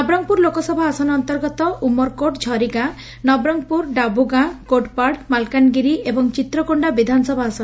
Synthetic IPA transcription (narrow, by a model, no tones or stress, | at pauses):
nɔbɾɔŋpuɾlokɔsɔbʱaasɔnɔnt̪ɔɾɡɔt̪ɔʔumɔɾkoʈd͡ʒʱɔɾiɡã | nɔbɾɔŋpuɾɖabuɡãkoʈpaɽmalkanɡiɾiʔebɔŋt͡ʃit̪ɾɔkoɳɖabid̪ʱanɔsɔbʱaasɔn